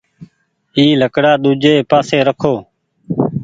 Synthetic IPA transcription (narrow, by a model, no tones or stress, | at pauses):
iːləkɽaːɗuːd͡ʒeːpaːseːɾəkʰoː